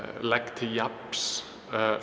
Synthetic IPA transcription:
lɛkt̪ʰɪjaps

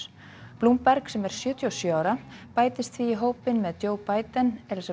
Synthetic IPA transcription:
pluːmpɛɾksɛmɛɾ̥sjʏːt̪ʰjɔsjoawɾapaːjt̪ɪst̪θviiɦoːwpɪnmɛðt͡ɕoːwpaːjt̪anɛls

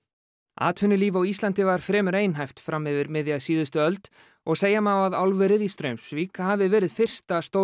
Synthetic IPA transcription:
a̰ːt̪vʏnːʏliːvawist̪lant̪ɪvaɾ̥fɾɛːmʏɾeːjnɦajft̪fɾamɪvɪɾmɪðjaðsiːðʏst̪ʏœlt̪ | ɔɣseːjamawaðawlvɛɾɪðist̪ɾœɥmsviːkaɦavɪvɛːɾɪðfɪr̥st̪ast̪o

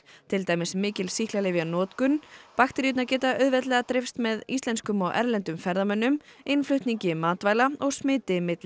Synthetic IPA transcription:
t̪ʰɪlt̪aːjmɪsmɪːcɪlsihklalɪvjanɔːt̪kʏnːpaxt̪ɪɾjut̪nacɛːt̪aʔœðvɛt̪lɛɣat̪ɾɪfst̪mɛðist̪lɛnskʏmɔwʔɛ̰ɾlɛnt̪ʏmfɛɾðamœnːʏm | ejnflʏht̪niɲcɪmaːt̪vajlaɔɣsmɪːt̪ɪmɪt̪lɪ

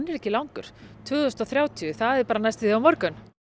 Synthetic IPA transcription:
nɛɾɛhcːɪlawŋkʏɾ̥t̪ʰœːɣʏst̪ɔθɾjaːwt̪ʰiʏθaðɛɾpaːɾanajst̪ɪðɪawmɔɾkʏn

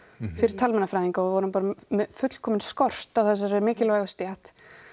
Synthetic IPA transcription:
fɪɾɪɾ̥t̪ʰalmɛnafɾajðiŋkaɔðvɔɾʏmpaːɾamɛfʏt̪l̥kʰɔːmɪnskɔr̥t̪awθɛs̬ːaɾɛɾmɪːcɪlvaɣast̪jat̪

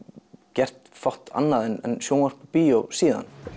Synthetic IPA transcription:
cɛr̥t̪fɔht̪a̰nːaðɛnɛ̰nsjoːwnar̥pɔpijowsiːða̰n

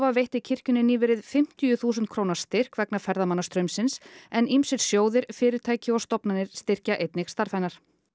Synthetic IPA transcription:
vavejht̪ɪcʰɪr̥cʏnːɪniːvɪɾɪðfɪm̥t̪ijʏθuːsʏnt̪̚kʰɾoːwnaɾ̥st̪ɪr̥kvɛknafɛɾðamanːast̪ɾœɥmsɪnsɛnimsɪɾ̥sjoːwðɪɾfɪːɾɪɾ̥t̪ʰaːjcɪɔst̪ɔpnanɪɾ̥st̪ɪr̥caʔejt̪nɪxst̪aɾ̥fajnaɾ̥

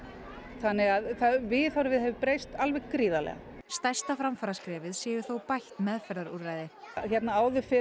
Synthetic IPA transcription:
θanːɪɣaðθavɪθawɾvɪðhɛvɪpɾejst̪alvɛɣkɾiːðalɛ̰ɣa̰st̪ajst̪afɾamfaɾaskɾɛːvɪðsjɛːjʏɾθowpajht̪mɛðfɛɾðaɾurajðɪçɛt̪naaːwðʏfɪ

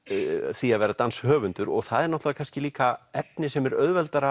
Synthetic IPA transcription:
θiaðvɛːɾat̪anshœːvʏnt̪ʏɾɔ̰ɣθaðɛɾnɔht̪lavakʰanscɪliːkaɛpnɪsɛmɛɾœðvɛlt̪aɾa

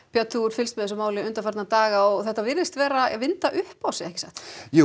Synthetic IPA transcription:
pʰjat̪ʰuɾ̥fɪlst̪mɛðɪsʏmaːwlɪʏnt̪aɾfaɾt̪nat̪aːɣaɔɣθɛht̪ːavɪɾðɪst̪vɛːɾavɪnt̪aʔʏhpawsɛɛhcɪsaxt̪ju

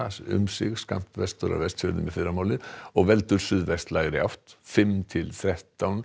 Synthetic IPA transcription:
sʉ̰msʏɡskɑ̰mt̪ʋɛst̪ɔɾɑ̰ʋɛst̪fœɾd̪əmɛfiːɾamoːlɪɔʋɛlt̪ʉɾsyːðʋɛst̪lɑːɡəd̪ɛɑft̪fɛmt̪ʰɪlθɾɛt̪ɔn

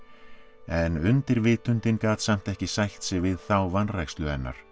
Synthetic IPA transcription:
ɛnʏnt̪ɪɾvɪːt̪ʏnt̪ɪnkaːt̪sam̥t̪ɛhcɪsajht̪sɪɣvɪðθawvanrajkst̪lʏɛnːa̰ɾ̥

